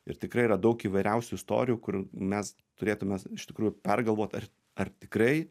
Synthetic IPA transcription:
ɪ̰ɾt̪ʲɪkrɐɪirɐd̪ɐʊkiːʋɐɪɾʲɛʊsʲʊɪst̪o̰ːɾʲɪjuːkʊrmʲɛs | t̪ʊɾʲeːt̪ʊmʲesɪʃt̪ʲɪkɾuːjʊpʲɛrɡɐlˠʋoːt̪ɐr | ɐrt̪ʲɪkɾɐɪ

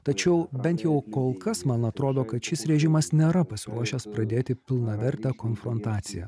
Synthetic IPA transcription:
t̪ɐt͡ʃʲɛʊbʲɛnt̪jɛʊkoːlˠkɐsmɐnɐt̪ɾoːd̪oːkɐt̪ʃʲɪsɾʲɛʒʲɪmɐsnʲeːɾɐpɐsʲɪɾuɔʃʲɛːspɾɐd̪ʲeːt̪ʲɪpʲɪlˠnɐʋʲɛɾʲt̪ʲɛːkoːnfɾont̪ɑːt̪sʲɪjɛ̰ː

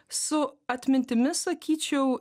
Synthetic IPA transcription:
sʊɐt̪ʲmʲɪnʲt̪ʲɪmʲɪsˠɐkʲʰiːt͡ʃʲɛʊ

